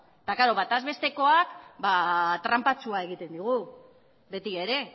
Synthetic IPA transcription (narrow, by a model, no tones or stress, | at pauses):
t̪akaɾo̞βat̪azβe̞st̪e̞ko̞akbat̪ɾampat͡suae̞ɣ̞it̪e̞nd̪iɣ̞u | be̞t̪ie̞ɾe̞